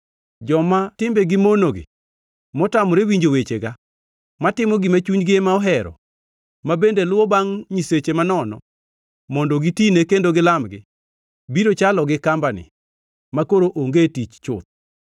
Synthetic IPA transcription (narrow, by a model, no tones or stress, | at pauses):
d͡ʒɔmatɪmbeɡɪmonoɡɪ̰ | mɔtamɔɾewiɲd͡ʒowet͡ʃeɡa | matɪmɔɡɪmat͡ʃuɲɡɪemaɔɦɛɾɔ̰ | mabendelʊwɔbaŋɲiset͡ʃemanɔnɔ̰ | mɔndɔɡitinekendoɡɪlamɡɪ̰ | biɾot͡ʃalɔɡɪkambanɪ̰ | makoɾoʔoŋɡetit͡ʃt͡ʃʊ̰t̪̚